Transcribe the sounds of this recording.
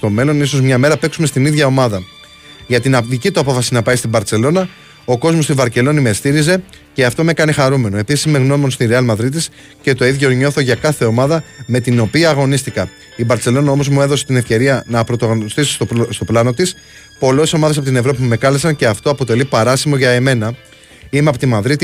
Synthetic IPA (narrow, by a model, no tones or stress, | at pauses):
st̪o̞me̞lo̞niso̞zmɲɐme̞ɾɐpe̞ksume̞st̪iniðʝɐo̞mɐðɐ | ʝɐt̪inɐðicit̪uɐpo̞fɐsinɐpɐjst̪ibɐɾt͡se̞lo̞nɐ | o̞ko̞zmost̪ivɐɾce̞lo̞nime̞st̪iɾize̞ | ce̞ɐft̪o̞me̞kɐnixɐɾume̞noe̞pisisme̞ɣno̞monst̪iɾeɐlmɐðɾit̪̬is | ce̞t̪o̞iðʝo̞ɲo̞θo̞ʝɐkɐθe̞o̞mɐðɐme̞t̪ino̞piɐːɣo̞nist̪ikɐ | ibɐɾt͡se̞lo̞nɐo̞mo̞zmue̞ðo̞set̪ine̞fce̞ɾiɐnɐpɾot̪ɐɣonost̪isi̥sst̪o̞plɐno̞t̪is | po̞leso̞mɐðes̬ɐpo̞t̪ine̞vɾo̞pimume̞kɐle̞sɐɲce̞ɐft̪o̞ɐpo̞t̪e̞lipɐɾɐsimo̞ʝɐeme̞nɐ | imeɐpot̪imɐðɾit̪i